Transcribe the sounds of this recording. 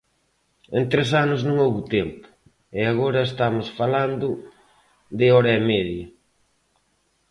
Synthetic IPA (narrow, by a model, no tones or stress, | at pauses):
ẽnt̪ɾes̬anʊznõŋowβʊt̪empʊ̥ | ɪaɣoɾɐest̪amʊsfaland̪ʊ | d̪ɪɔɾɐemɛðjɐ